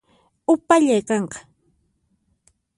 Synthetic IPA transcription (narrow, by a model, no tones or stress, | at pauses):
ʊpaʎajkɑɴqɑ̥